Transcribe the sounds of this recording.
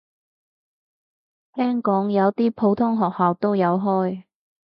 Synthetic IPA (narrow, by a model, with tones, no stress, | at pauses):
t̪ʰɛː˥ŋkɔː˨˥ŋjɐ˨˧wt̪iː˥pʰo˨˧wt̪ʰʊ˥ŋɦɔː˨k̚haː˨wt̪o˥wjɐ˨˧wɦɔː˥j